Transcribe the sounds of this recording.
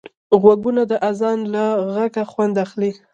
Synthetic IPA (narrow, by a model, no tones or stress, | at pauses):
ɣwaɡunad̪əʔazɑnlaɣakaxwand̪axli